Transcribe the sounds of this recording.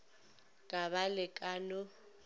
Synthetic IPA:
kʼaβalɪkʼanʊ

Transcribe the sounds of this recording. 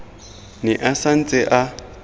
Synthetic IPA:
nɪʔasan̩t͡sʼɛʔa

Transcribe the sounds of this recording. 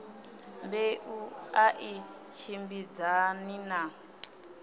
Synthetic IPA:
mbeʔuaʔi | ʃʰimbid͡zanina

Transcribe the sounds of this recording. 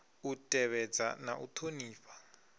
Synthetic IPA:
utʼɛβɛd͡za̰na̰ʔutʰoniːfḁ

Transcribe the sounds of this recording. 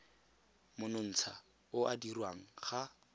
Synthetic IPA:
mʊnʊn̩t͡sʰa | ʊadirwaŋ̩χa

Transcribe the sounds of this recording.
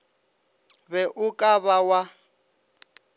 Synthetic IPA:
βɛʔʊkʼaβawa

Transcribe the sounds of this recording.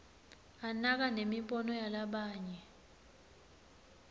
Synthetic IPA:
anak̬anemipʼɔnɔjalaɓaːɲɛ

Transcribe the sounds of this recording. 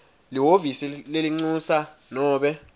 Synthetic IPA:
liwovisileliŋ͡ǀusanɔːɓɛ

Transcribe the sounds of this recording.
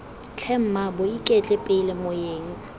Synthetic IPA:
t͡ɬʰɛm̩mabʊikʼɛt͡ɬʼɛpʼɪlɪmʊjeːŋ̩

